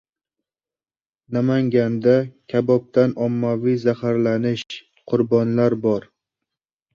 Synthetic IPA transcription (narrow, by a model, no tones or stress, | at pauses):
namaŋɡʲand̪akʲʰabɒp̚t̪ʰanɒmːavijzahaɾlanɪʃ | qʰʊɾbɒnlaɾbɒɾ